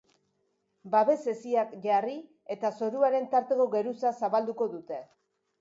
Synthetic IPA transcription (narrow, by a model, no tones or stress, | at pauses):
baβe̞se̞siakʝari | e̞t̪aso̞ɾuaɾe̞nt̪aɾt̪e̞ko̞ɣe̞ɾusasaβald̪uko̞ðut̪e̞